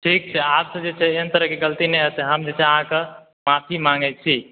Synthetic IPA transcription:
ʈʰik̚t͡ʃʰɛabsə̃d͡ʒet͡ʃʰɛeɦənt̪əɾəɦkeɡəlt̪inɛəsɛɦəmd͡ʒet͡ʃʰɛəɦãke | mapʰimãŋɡɛt͡ʃʰi

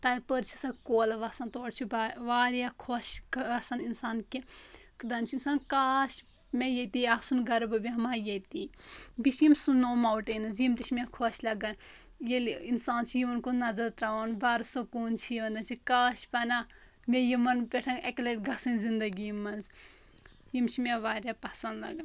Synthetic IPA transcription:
t̪aːipəɾt͡ʃʰɐsakoːlʋɐsɐnt̪oːɽt͡ʃʰubʋaːɾjakʰoʃkɐsɐninsaːnkekʰd̪ɐnt͡ʃʰuinsaːnkaːʃ | mejet̪iɐksunɡɐɾbɨbʲiɦɐmaːjet̪iːbiʃimsunoːmaːwuʈenɨzjimt̪iʃʰmʲekʰoʃlɐɡɐnjelinsaːnt͡ʃʰijimɐnkonɐzɐɾt̪ɾaʋɐnbaːɾsokuːnt͡ʃʰiʋɐnd̪ɐnt͡ʃʰikaːʃpɐna | mejimɐnpʲeʈʰɐnɐklɐʈɡɐsɐnzind̪ɐɡimɐnz | jimt͡ʃʰimʲeʋaːɾʲjapɐsɐnd̪lɐ̰ɡɐn

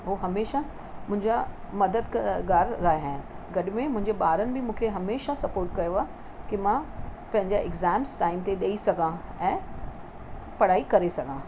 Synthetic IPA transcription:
ɦoɦɐmeːʃa | mʊ̃ɦɪ̃ɲd͡ʑa | mɐd̪əd̪kɡaːɾɾaːɦeɦə̃ːn | ɡɐɗɪmẽmʊ̃ɦɪ̃ɲd͡ʑeɓaːɾənɪ̆bɪmũːkʰeɦɐmeːʃasɐpoːɾʈkɐjoaː | kimãpɐ̃ɦɪ̃ɲd͡ʑaʔɪɡzɛːmsʈaːɪmt̪eɗeisɐɡʱãɛ̃ː | pɐɽaːikɐɾesɐɡʱãː

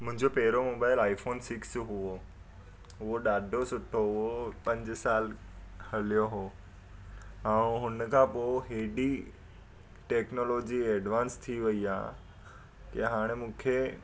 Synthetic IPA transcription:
mʊ̃ɦɪ̃ɲd͡ʑopeːɾomoːbaːɪlaːifoːnsɪksɦʊo | ɦʊɦoɗaːɖʱosʊʈʰoʊɦopɐ̃ɲd͡ʑsaːlhɐlijoɦoː | ãːɦʊnkʰãːpoːɦeːɖi | ʈeːknoloːd͡ʑiɛːɖʋãːnst̪ʰiʋɐiaː | keɦaːɽ̃emũːkʰe

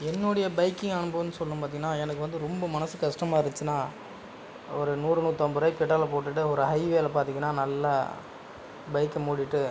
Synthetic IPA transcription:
ɛnːɔɽɐjɐbɐɪkːɪŋɡaːɳɯmbɐʋɯnːɯsɔlːɯpaːt̪iŋɡɐnːaːɛnɐkːɯʋɐnd̪ɯɾɔmbɐmɐnɐsɯkɐʂʈɐmaːɪɾɯt͡ʃːɯnːaː | ɔɾɯnuːɾɯnuːt̪ːɐːmbɯɾɐɪpɛʈːaːlɐpoːʈːɯʈːɯɔɾɯɦɐɪʋeːlɐpaːɾt̪iŋɡɐnːaːnɐlːɐ | bɐɪkːɐmuːɽɪʈːɯ

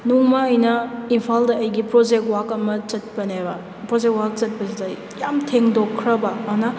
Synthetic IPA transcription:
nuŋmaːjnɐimpʰaldɐɐjɡipɾod͡ʒek̚wakɐmɐt͡ʃɐt̚pɐnebɐ | pɾod͡ʒek̚wak̚t͡ʃɐt̚pɐzizaj | jamtʰeŋdokʰːɾɐbɐːnɐ

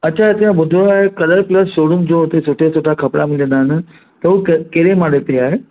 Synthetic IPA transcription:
ɐːɕʰaɦet̪ɐjãbʊd̪ʱoaːɦekɐɗəɾplɐsʃoːɽʊmd͡ʑõɦʊt̪esʊʈʰesoʈʰakʰɐpɽa̰mɪlijə̃nd̪aːɦɪnɪ̆ | t̪ɐɦukkeːɾemãːɽet̪ɾiaːɦe

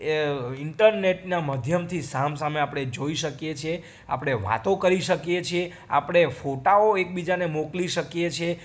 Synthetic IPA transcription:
ɪɳʈəɾneʈnaməd̪ʱjəmt̪ʰisamsameapɽ̃ed͡ʒoiʃəkjet͡ʃʰe | a̰pɽ̃eʋa̰t̪õkəɾiʃəkjet͡ʃʰie | a̰pəɽ̃efoʈaoek̚bid͡ʒanemokliʃəkjet͡ʃʰe

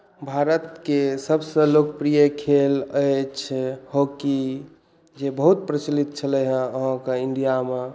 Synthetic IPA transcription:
bʱaɾət̪kesəbsə̃lokəpɾijəkʰeləjt͡ʃʰhoki | d͡ʒebəɦut̪pɾət͡ʃlit̪̚t͡ʃʰələɦə̃əɦãkeiɳɖijame

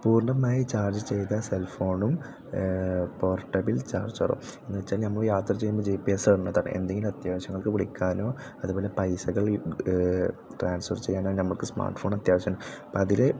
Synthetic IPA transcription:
puːrɳɐmaːjit͡ɕaːrd͡ʑɨt͡ɕe̞jt̪ɐselfo̞ːɳum | poːrʈːɐbilt͡ɕa̰ːrd͡ʑɨɐ̰rṵmenːɨʋet͡ɕːaːlnɐmːɐɭjaːt̪rɐt͡ɕejːumbod͡ʑeːpiesɐɐnːɐðaːɳɨ̰ʔe̞̰nd̪eŋɡilumɐt̪jaːʋɐɕjɐŋːɐɭkɨpiɽikʲːaːno̞ː | ɐðubo̞ːle̞pɐjsɐɣɐɭ | ʈraːnsfɐrt͡ɕe̞jːaːnoːnɐmːɐɭkɨsma̰ːrʈfoːɳɐt̪jaːʋɐɕjɐanopoɐðile

